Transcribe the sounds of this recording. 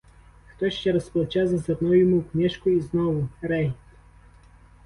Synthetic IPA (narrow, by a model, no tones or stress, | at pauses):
t̪ɔjʃt̪ʲɛɾɐsplˠt͡ʃazɐsɛd̪nɔjumupnʲɛʃkoiznɔvʊɾɛj